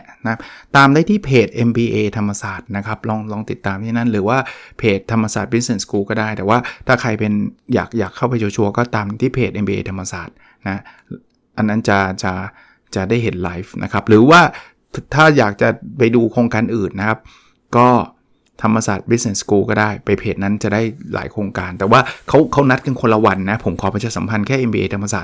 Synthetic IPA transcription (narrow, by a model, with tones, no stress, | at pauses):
na˦˥t̪aː˧mdaː˥˩jt̪ʰiː˥˩pʰeː˨˩t̪̚ʔe˧mbiː˧ʔeː˧t̪ʰa˧mːa˧saː˨˩t̪̚na˦˥kʰa˦˥p̚lɔː˧ŋlɔː˧ŋt̪i˨˩t̪ːaː˧mt̪ʰiː˥˩na˥˩nɾɯː˩˦waː˥˩pʰeː˨˩t̪ʰːa˧mːa˧saː˨˩t̪̚bi˦˥ne˧˩skuː˧kɔː˥˩daː˥˩jt̪ɛː˨˩waː˥˩t̪ʰaː˥˩kʰa˧jpe˧njaː˨˩k̚jaː˨˩kʰːa˥˩wpa˧jt͡ɕʰu˧t͡ɕʰu˧ɐkɔː˥˩t̪aː˧mt̪ʰiː˥˩pʰeː˨˩t̪̚ʔe˧mbiː˧ḛː˧t̪ʰa˧mːa˧saː˨˩t̪̚ | na˦˥ | ʔa˧nːa˦˥˩nt͡ɕa˨˩t͡ɕa˨˩ | t͡ɕa˨˩daː˥˩jɦe˩˦nlaː˦˥jfnʔa̰˦˥kʰa˦˥p̚ɾɯː˩˦waː˥˩ | t̪ʰaː˥˩jaː˨˩k̚t͡ɕa˨˩pa˧jduː˧kʰɾoː˧ŋkaː˧nʔɯː˨˩nːa˦˥kʰa˦˥p̚ | kɔː˥˩ | t̪ʰa˧mːa˧saː˨˩t̪̚bi˦˥t̪̚ne˧˩skuː˧kɔː˥˩daː˥˩jpa˧jpʰeː˨˩t̪̚na˦˥nt͡ɕa˨˩daː˥˩jla̰ː˩˦jkʰɾoː˧ŋkaː˧nt̪ɛː˨˩waː˥˩kʰa˦˥wkʰa˦˥wna˦˥t̪̚ka˧nkʰo˧nla˧wa˧nːa˦˥pʰo˨˩˦mkʰɔː˨˦pa˧jt͡ɕa˨˩sa˩˦mpʰa˧nkʰɛː˥˨ʔe˧nbiː˧ʔḛː˧t̪ʰmːa˧saː˨˩t̪̚